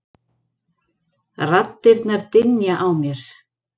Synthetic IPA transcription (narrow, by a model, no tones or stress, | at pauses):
rat̪ːɪɾt̪naɾt̪ɪnjaʔawmjɛɾ̥